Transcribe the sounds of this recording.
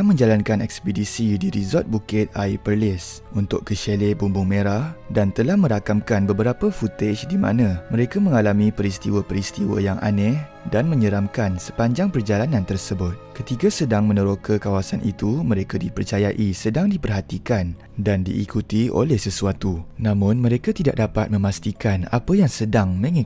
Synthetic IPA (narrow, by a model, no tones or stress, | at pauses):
amə̃ɲd͡ʒalankanɛk̚spədisidiɾizɔt̪̚bukɪt̪̚ajpərlɪsunt̪ʊkkəʃelɛbumbʊŋmẽɾahdant̪əlahmə̃ɾakamkanbəbəɾapafut̪et͡ʃdimã̰nãmə̃ɾekamə̃ŋalamĩpəɾist̪iwəpəɾist̪iwə̰jaŋa̰nɛh | danmə̃ɲəɾamkansə̥paɲd͡ʒaŋpərd͡ʒalanãnt̪ərsəbʊt̪̚kət̪ikasədaŋmə̃nə̃ɾokəkawasanʔḭt̪umə̃ɾekadipərt͡ʃajaʔisədaŋdipərɦat̪ikan | dandḭʔːkut̪io̰lɛhsəsuat̪unãmʊ̃nmə̃ɾekat̪ida̰ʔ̚dapat̪̚mə̃mast̪ikana̰pajaŋsədaŋməŋɛ